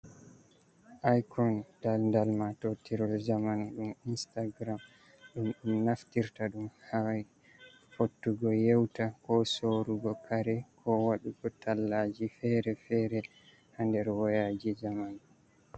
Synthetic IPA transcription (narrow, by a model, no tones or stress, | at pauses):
ʔajkɔnd̥alndalmatotiɾɔld͡ʒamanɗuminstaɡɾam | ɗumɗumnaftiɾtaɗumhaj | fotːuɡɔjɛwtakɔsoɾuɡɔkʰaɾɛkʰɔwaɗuɡɔtʰalːad͡ʒifɛɾɛfɛɾɛ | handɛɾwɔjad͡ʒid͡ʒaman